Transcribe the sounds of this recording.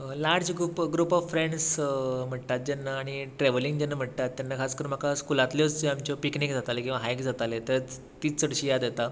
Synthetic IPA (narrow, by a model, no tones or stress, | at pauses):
laɾd͡ʑɡɾupɡɾuːpɔffɾeɳɖsm̤əʈt̪at̪̚d͡ʑɛnːaːɽ̃iʈɾeʋəliŋɡd͡ʑanːam̤əʈ̚t̪at̪ːjanːakʰaskəɾũnm̤akʰaskulat̪ljot͡sd͡ʑeamt͡ɕjɔpiknikd͡zʱat̪alekʲĩw̃ʋaɦajkd͡zat̪alet̪əɾ | t̪iːt͡ssəɽɕiːjad̪jet̪a